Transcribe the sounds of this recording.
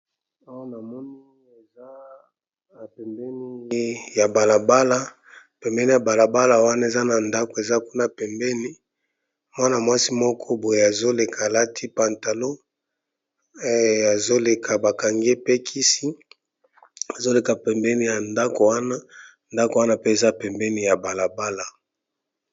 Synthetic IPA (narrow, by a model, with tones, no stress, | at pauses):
a˦wa˦na˨mɔ˦ni˦e˨za˦ | a˨pɛ˨mbɛ˦ni˦ja˨ba˨la˨ba˦la˦˨ | pɛ˨mbɛ˦ni˨ja˨ba˨la˨ba˦la˨wa˦na˦e˨za˦na˨nda˦ko˨e˨za˦ku˦na˦˨pɛ˨mbɛ˦ni˦ | mwa˦na˨mwa˦si˦mɔ˦kʰɔ˦bo˨je˨a˨zo˦le˨kʰaː˨la˦tʰi˦pa˨nta˨lo˦ | a˨zo˦le˨kʰa˨ba˨ka˨ŋɡe˦pe˦kʰi˦si˦ | a˨zo˦le˨ka˨pɛ˨mbɛ˦ni˦ja˨nda˦ko˨wa˦na˦ | nda˦ko˨wa˦na˦pe˦e˨za˦˨pɛ˨mbɛ˦ni˦ja˨ba˨la˨ba˦la˨